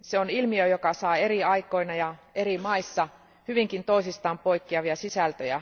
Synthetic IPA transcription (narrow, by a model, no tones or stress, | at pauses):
seonilmiøjokɑsɑːe̞riɑiko̞inɑjɑerimɑisːɑ | hyʋiŋkint̪o̞isist̪ɑːmpoikːiɑʋiɑsisælt̪øjæ̰